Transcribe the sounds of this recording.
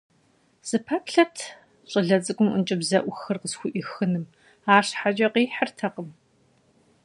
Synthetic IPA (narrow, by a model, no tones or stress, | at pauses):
z̥ɨpʰɐkɬɐtʰ | ɕʼɨɮɐt͡sʼɨɡʷʊmɨnt͡ʃʼɪbzɐʔʷʊxɨrqəsxʷʊʔixɨnɨm | aːʂħat͡ʃʼɐqiːħərtʰɐqəm